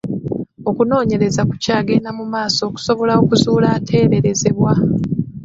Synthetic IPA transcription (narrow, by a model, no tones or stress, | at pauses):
o̞kuno̞ːɲe̞ɾe̞zaku̥caːɡe̞namumaːso̞ːku̥so̞βo̞lao̞kuzuːlaːtʰe̞ːɾe̞ɾe̞ze̞βwa